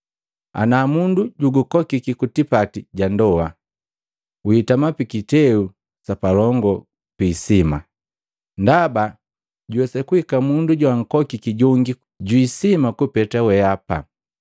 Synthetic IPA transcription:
a̰namunduɟuɡukɔkikikutipatiɟandɔa | witamapikitɛu | sapalɔŋɡɔ | piːsima | ndaba | ɟuwɛsɛkuhikamunduɟwaŋ̩kɔkikiɟɔŋɡi | ɟwisimakupɛtawɛapa̰

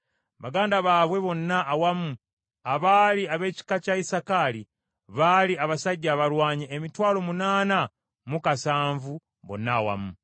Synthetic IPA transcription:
βaɡaːndaβaːβwe̞βo̞nːaʔːwamu | aβaːliaβe̞ːci̥kacaisakali | βaliaβasaɟːaːβaɾwaːɲeʔemitwaːlo̞munaːna | mukasaːɱvu | βo̞̰nːaːwa̰mu

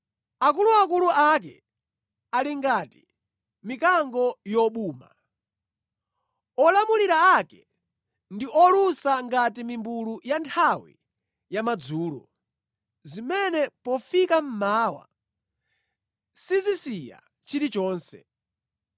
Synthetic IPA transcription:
ak̬uluakuluak̬ɛ | aliŋɡati | mikaŋɡɔjɔɓuːma̰ | ɔlamuliɾaakɛ | ndiʔɔlusaŋɡatimimbulujantʰawḭ | jamad͡zuːlɔ̰ | zimɛnɛpɔfikam̩maːwa̰ | sizisija̰ | t͡ʃiɾit͡ʃɔːnsɛ̰

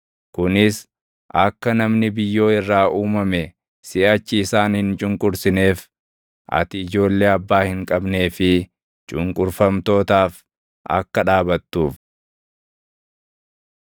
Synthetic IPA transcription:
kʊnɪs | ʔɐkːɐnɐmnɪbɪjːo̞ːɪrːaːʔuːmɐmɛ | sɪʔɐt͡ʃːɪːsaːnhɪnt͡ʃʼʊŋkʼʊɾsɪne̞ːf | ʔɐ̰t̪ɪːd͡ʒo̞ːlːe̞ːɐbːaːhɪŋkʼɐbne̞ːfɪ | t͡ʃʼʊŋkʼʊɾfɐmt̪o̞ːt̪aːf | ʔɐ̰kːɐᶑaːbɐt̪ːuːf

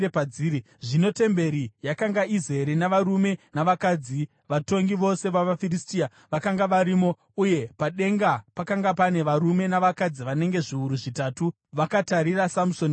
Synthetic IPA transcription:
epad͡ziːɾi | ʐino̞te̞mbe̞ɾijakaŋɡaizeɾenaʋaɾume̞naʋakad͡zi | ʋato̞ŋɡiʋo̞se̞ʋaʋafiristia | ʋakaŋɡaʋaɾiːmo̞ | uje̞paɗe̞ŋɡapakaŋɡapane̞ʋaɾume̞naʋakad͡ziʋane̞ŋɡe̞ʐiuɾuʐitaːtu | ʋakataɾirasamuson

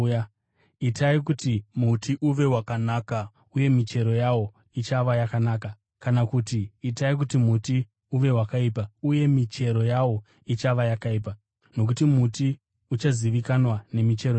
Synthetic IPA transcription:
itaikutimutʰiʔuʋe̞wakanaka | uje̞mit͡ʃe̞ɾo̞jawo̞ | it͡ʃaʋajakanaka | kanakutiːtaik̬utimuti | uʋe̞wakaipauje̞mit͡ʃe̞ɾo̞jawo̞ | it͡ʃaʋajakaiːpa | no̞k̬utimuti | ut͡ʃaziʋikanwane̞mit͡ʃe̞ɾo

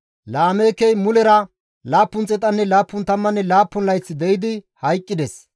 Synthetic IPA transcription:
laːmeːkɛjmʊlɛɾɐ | laːpːʊnt͡sʼɛt̪ʼːɐnːɛlaːpːʊnt̪ɐmːɐnːɛlaːpːʊnlɐjt͡sːɪd̪ɛjɪd̪ɪhɐjkʼːɪd̪ɛs

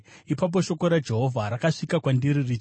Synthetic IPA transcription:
ipap̬o̞ʃo̞koɾad͡ʒe̞ɦo̞vʱaɾakaʂikakwandiɾiri

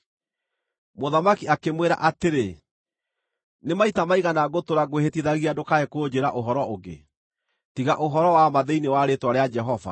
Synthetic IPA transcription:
moðamakiakemweɾa̰ʔateɾe | nemaitamaiɣanaɣotoɾaɣohetiðaɣiadokaɛkod͡ʑeɾaʔoɦɔɾɔoɣḛ | tiɣaʔoɦɔɾɔwamaðɛinewaɾetwaɾead͡ʒɛɦɔva̰

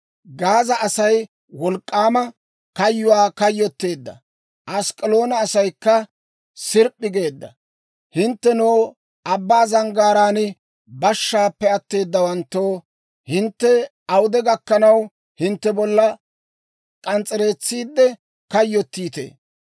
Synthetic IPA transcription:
ɡaːzɐʔɐsɐj | wɔlkʼːaːmɐ | kɐjːʊwaːkɐjːɔt̪ːe̞ːd̪ːɐ̰ | ʔɐskʼɪlo̞ːnɐːsɐjkːɐ | sɪɾpʼːɪɡe̞ːd̪ːɐ | hɪnt̪ːɛnoː | ɐbːaːzɐŋɡaːɾaːnɪ | bɐʃːaːpːɛɐt̪ːe̞ːd̪ːɐwɐnt̪ːoː | hɪnt̪ːɛ | ɐwʊd̪ɛɡɐkːɐnɐw | hɪnt̪ːɛbɔlːɐ | kʼɐnt͡sʼɛɾe̞ːt͡sːiːd̪ːɛ | kɐjːɔt̪ːiːt̪ḛː

